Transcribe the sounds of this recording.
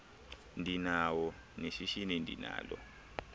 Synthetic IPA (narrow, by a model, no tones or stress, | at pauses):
ndinawɔneʃiʃinendʱḭna̰ːlɔ̰